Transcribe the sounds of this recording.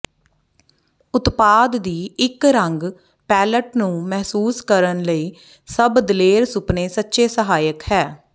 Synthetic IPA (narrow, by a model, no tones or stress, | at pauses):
ʊt̪paːd̪ːiːɪkɾəŋɡ | pɛːləʈnũːmɛɦsuːskəɾənləiː | səbd̪leːɾsʊpneːsətːʃeːsəɦaːjəkhɛː